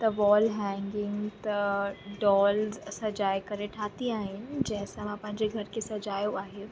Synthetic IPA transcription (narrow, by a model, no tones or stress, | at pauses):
t̪ɐʋɔːlɦɛ̃ŋɡɪ̃ŋɡt̪ɐɖɔːlzsɐd͡ʑaːjkɐɾeʈʰaːt̪iaːɦɪnɪɪ̆d͡ʑɛ̃ɦɪ̃sãmãpɐ̃ɦɪ̃ɲd͡ʑeɡʱɐɾkʰesɐd͡ʑaːjoaːɦe